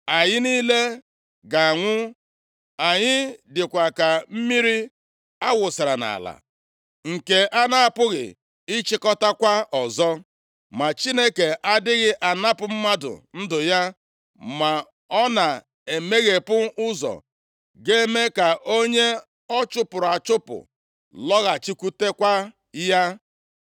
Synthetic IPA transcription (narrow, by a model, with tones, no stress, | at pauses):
a˨ɲɪ˦niː˦le˦ | ɡa˨a˨ŋʷʊ˦ | a˨ɲɪ˦dɪ˨kʷa˨ka˨m̩˦mi˦ɾi˦ | a˦wʊ˨sɪ˨ɾa˨na̰˨la̰˨ | ŋ̩˨ke˨ʔa˦na˦a˨pʊ˦ɣɪ̰˨ | ɪ˦t͡ʃɪ˦kɔ˦ta˦kʷa˦ɔ˨zɔ˦ | ma˨t͡ʃi˦ne˦ke˨ʔa˦dɪ˦ɣɪ˦ʔa˨na˦pʊ˨m̩˦ma˦dʊ̰˨n̩˦dʊ˨ja˦ | ma˨ | ɔ˦na˨ | e˨me˦ɣe˨pʊ˦ʔʊ˦zɔ̰˨ | ɡe˦me˦ka˨ʔo˦ɲe˦ | ɔ˦t͡ʃʊ˦pʊ˨ɾa˨t͡ʃʊ˦pʊ̰˨ | lɔ˦ɣa˨t͡ʃi˦kʷu˦te˦kʷa˦ | ja˦